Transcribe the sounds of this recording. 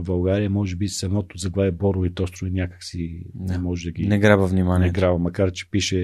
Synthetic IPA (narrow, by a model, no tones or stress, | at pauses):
bɐlˠɡaɾijəmɔʒɛbisɐmɔt̪ʊzɐɡvaɛbɔɾit̪ɔst̪ɾʊinʲjakə̥ksimɔʒɛd̪ɐɡʲinɛɡɾabəvnimaniɛtɡɾabɐmɐkaɾt͡ʃɛ̥piʃɛ